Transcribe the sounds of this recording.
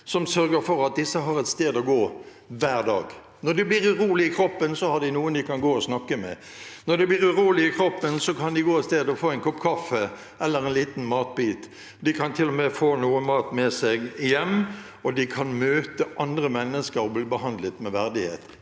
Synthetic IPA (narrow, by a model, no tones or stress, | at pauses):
sɔmsœɾɡəɾfɔʁɑt̪̚d̪ɪsːəɦɑʁɛt̪st̪eːd̪ɔɡoː | ʋæːʁd̪ɑːɡ | nɔʁd̪ɛbliːʁʉʁuːlɪɪkʰɾɔpːənsɔhɑd̪ɪnuːənd̪ɪkɑnɡoːɔsnɑkːəmɛ̰ | nɔɾd̪ɛbliːʁʉʁuːlɪɪkʰɾɔpːənsɔkʰɑnd̪ɪɡoːɛt̪st̪eːd̪ɔfoːɛnkʰɔpkʰɑfːə | ɛlːəɾɛnliːt̪n̩mɑːt̪̚biːt̪ | d̪ɪkʰɑnt̪ʰɪlːɔmɛfoːnuːənmɑːt̪mɛsɛɡɪjɛmː | ɔd̪ɪkʰɑnmøːt̪əʔɑnd̪ɾəmɛnːəskəɾɔblɪbəɦɑnd̪lət̪mɛʋæʁd̪ɪhḛːt̪